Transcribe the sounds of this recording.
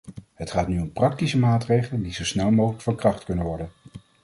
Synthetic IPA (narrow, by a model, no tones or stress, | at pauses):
ɦətχaːtnyɔmprɑk̚tisəmaːtrejχələndizowsnɛlˠmowχələkfəɹkrɑχtkɵnənʋɔɹdən